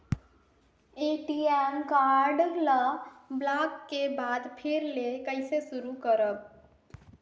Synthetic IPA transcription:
eʈiemkaɾɖləblakːebad̪pʰeɾlekəɪsesuɾukəɾəb̚

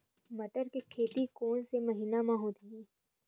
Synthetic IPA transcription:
mɐʈəɾkekʰeːt̪ikoːnsemɐɦiːnamãɦoːt̪iiː

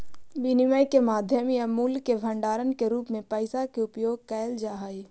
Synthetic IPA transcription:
binɪməjkemaːd̪ʱjəmiəmuːlkebʱə̃ɳɖaːɾənkeɾuːpmẽpəɪsakeʊpjoːɡ̚kɛːld͡ʒaːɦaːi

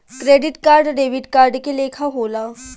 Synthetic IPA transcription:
kɾeɖiʈkaɾɖɖeʋiʈkaɾɖkelekʰaɦola

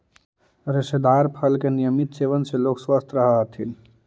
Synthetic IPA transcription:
ɾesed̪aɾpʰəlkenijəmit̪seʋənselokswəst̪ʰɾəɦəɦt̪ʰin

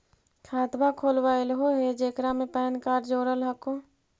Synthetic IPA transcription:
kʰaːt̪bakʰoːlwaːelɦoɦed͡ʒeːkɾamẽpɛːnkaːɾd͡ʒoːɾəlɦəko

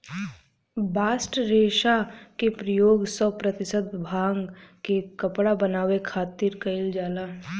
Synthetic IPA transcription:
baːsʈɾeːʃakepɾəjoːɡsɔpɾət̪ɪsət̪bʱaːŋɡkekɐpɽabənaːʋekʰaːt̪iɾkɐɪld͡ʒaːlaː

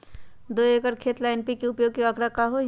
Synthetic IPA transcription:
d̪oːekəɾkʰeːt̪laɪnpikiʊpjoːɡ̚keɐkɽakaɦo

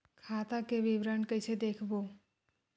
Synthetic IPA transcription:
kʰat̪akeʋiʋɾəɳkəjt͡ʃʰed̪ekʰbo

